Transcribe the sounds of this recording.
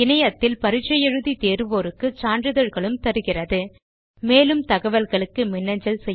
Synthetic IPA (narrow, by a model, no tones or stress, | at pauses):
ɪnɐjɐt̪ːɪlpɐɾɯt͡ʃːɐjɛɻɯðit̪eːɾɯʋoːɾɯkːɯt͡ʃaːnrɯðɐɻɣɐɭɯmt̪ɐɾɯɣɪrɐðɯ | meːlɯmt̪ɐɣɐʋɐlɣɐɭɯkːɯmɪnːɐɲd͡ʒɐlsɛjː